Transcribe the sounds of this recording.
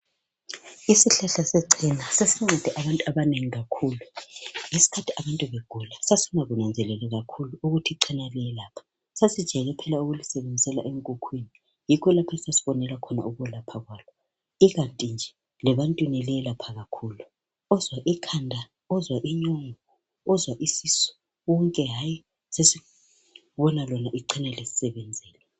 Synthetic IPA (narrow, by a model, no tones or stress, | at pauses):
isiɬɛɬasɛǀʰinasesiŋ͡ǀɛd̥ʱɛʔaβantʼuaβaneŋiɣakʰuːlujisi̥kʰatʰiaβantʼuβeɡ̥ʱulasasinaɣunand͡zʱɛlɛlɛɣakʰuluuɣutʰiǀʰinalɛɛlaːpʰḁ | sasid̥ʒ̥ʱɛɣɛpʰɛlauɣulisɛβend͡zʱisɛla̰ʔeŋkʼukʰwini | jikʰɔlapʰaisasiβɔnɛlakʰɔna̰uɣuɛlapʰaɣwaːlɔ | iɣantʼind͡ʒʱɛ | lɛβantʼwinɛlɛɛlapʰaɣakʰuːlu | ɔzwaʔikʰandʱa | ɔzwaʔiɲoŋɔ | ɔzwaʔisisɔ̥ | wɔŋkʼɛɦaːji | sesi | βɔnalɔnaʔiǃʰinɛlesi̥sɛβɛnd͡zʱɛːlɛ